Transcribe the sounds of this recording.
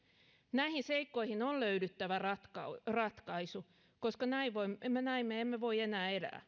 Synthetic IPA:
næihinseikːoihinolløydyt̪ːæʋærɑt̪krɑt̪kɑisu | koskɑnæiʋoimemːenæimːeemːeʋo̞ienæːelæ̰ː

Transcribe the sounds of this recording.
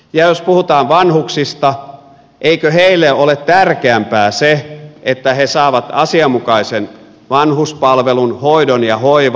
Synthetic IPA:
jɑjospuhut̪ɑːʋʋɑnhuksist̪ɑ | ʔeikøheilːeʔolet̪t̪ærkeæmpæːseʔet̪ːæhesɑːʋɑt̪ɑ̰siɑmːukɑisen | ʋɑnhuspɑlʋelunhoidonjɑhoiʋ

